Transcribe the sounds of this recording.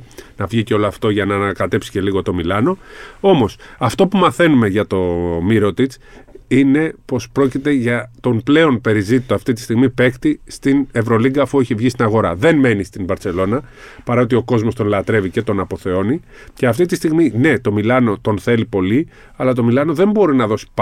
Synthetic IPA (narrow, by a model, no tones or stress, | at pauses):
nɐvʝiceo̞loɐft̪o̞ʝɐnɐːnɐkɐt̪e̞psi̥ce̞liɣo̞t̪o̞milɐno̞o̞mo̞sɐft̪o̞pumɐθe̞nume̞ʝɐt̪o̞miɾo̞t̪it͡s | ine̞po̞spɾo̞cit̪e̞ʝɐt̪o̞mple̞o̞npe̞ɾizit̪it̪oɐft̪it̪i̥st̪iɣmipe̞kt̪ist̪ine̞vɾo̞liŋɡɐfueçivʝist̪inɐɣo̞ɾɐðe̞nme̞nist̪inbɐɾt͡se̞lo̞nɐ | pɐɾɐo̞t̪̬io̞ko̞zmo̞st̪onlɐt̪ɾe̞vice̞t̪o̞nɐpo̞θe̞o̞ni | ce̞ɐft̪it̪ist̪iɣmine̞t̪o̞milɐno̞t̪o̞nθe̞lipo̞li | ɐlɐt̪̬o̞milɐno̞ðe̞mbo̞ɾinɐðo̞si̥p